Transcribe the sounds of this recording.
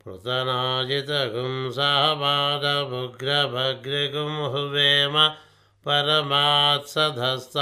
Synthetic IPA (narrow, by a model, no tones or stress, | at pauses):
pɾṵt̪ɐnaːd͡ʒit̪ɐɡumsaɦɐbaːd̪ʱɐbʱuɡɾɐbʱɐɡɾekumɦuʋeːmɐ | pɐɾɐmaːt̪sɐd̪ʱɐst̪